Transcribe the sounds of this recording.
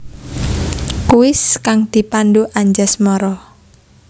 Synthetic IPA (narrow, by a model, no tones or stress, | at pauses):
kuwɪskaŋd̪̥i̤panduʔaɲd͡ʒasmɔɾɔ